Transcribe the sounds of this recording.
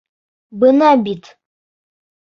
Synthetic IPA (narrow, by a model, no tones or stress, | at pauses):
bɨnabit̪ʰ